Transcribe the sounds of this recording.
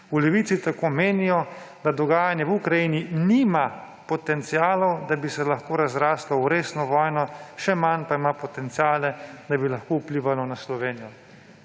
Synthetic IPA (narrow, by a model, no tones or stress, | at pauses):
ulɛʋit̪sit̪akoːmeːnijɔd̪ad̪ɔɡaːjanjɛwukɾajininiːma | pɔt̪ɛnt̪sijaːlɔwd̪abisɛlaxkoːɾazɾaːslɔwɾeːsnɔʋɔːjnɔʃɛmanpaimapɔt̪ɛnt̪sijaːlɛd̪abilaxkoupliːʋalɔnaslɔʋeːnijɔ